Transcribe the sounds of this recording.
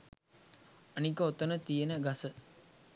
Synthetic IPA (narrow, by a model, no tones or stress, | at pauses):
ɐnikəot̪ənət̪ijənəɡasə